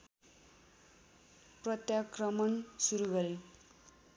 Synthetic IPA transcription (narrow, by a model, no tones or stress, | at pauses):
prʌt̪jakrʌmʌnsuɾuɡʌɾe